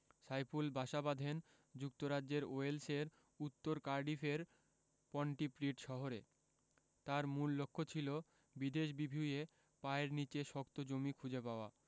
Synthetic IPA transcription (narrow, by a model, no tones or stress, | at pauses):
sajpulbʱaʃabad̪ʱen | d͡ʑuk̚t̪oɾad͡ʑd͡ʑeɾoelseɾ | ut̪ːoɾkaɾɖifeɾ | pɔɳʈipɾiʈʃɔɦoɾe | t̪aɾmulːokʰːot͡ɕʰilo | bid̪eʃbibʱuje | paeɾnit͡ɕeʃɔkt̪od͡ʑomikʰud͡ʑepaoa